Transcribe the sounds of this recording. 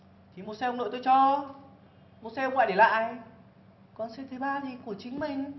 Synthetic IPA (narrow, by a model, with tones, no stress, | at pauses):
t̪ʰi˨˦mo˧˩sɛ˧ŋ͡mno̰˧˨t̪o˧jt͡ɕɔ˧ | mo˧sɛ˧ə˧ŋ͡mla̰ː˧˨jɗe˧˩la̰ː˧˨j | kɔ˨˧nsɛ˧t̪ʰe˨˦ɓaː˧ɗi˧ku˧˩ət͡ɕï˨˦ŋ̟mï˨˩ŋ̟